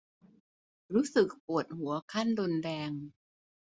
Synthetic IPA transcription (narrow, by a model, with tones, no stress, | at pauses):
ɾuː˦˥sɯ˨˩k̚pu˨˩ət̪̚hu˩˦ɐkʰa˥˩ndo˧ndɛː˧ŋ